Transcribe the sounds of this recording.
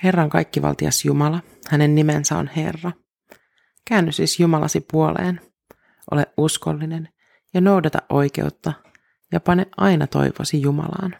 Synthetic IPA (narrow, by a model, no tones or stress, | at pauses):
he̞rːɑŋkɑjkːiʋɑ̰lt̪iɑ̰sjumɑlɑ | hæne̞nːimensæo̞̰nhe̞̰rːɑ | kæːnːyssisjumɑlɑ̰sipuo̞lḛːn | ʔo̞leʔusko̞lːinen | jɑnowdɑt̪ɑʔʔo̞jk̟e̞̰ut̪ːɑ | jɑpɑneʔʔɑjnɑt̪o̞̰jʋoːsijumɑ̰lɑ̰ːn